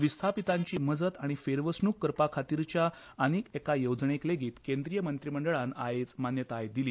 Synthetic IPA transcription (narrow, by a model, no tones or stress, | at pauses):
ʋist̪ʰapit̪aɲt͡ɕiːməd͡zət̪aɽ̃ifeɾʋəsɳuːkːəɾpakʰat̪iɾt͡ɕja | əñiːkekajowd͡zɳekleɡiːt̪kend̪ɾijəmənt̪ɾiməɳɖəɭana̰ɦet͡smanjət̪ajd̪iliː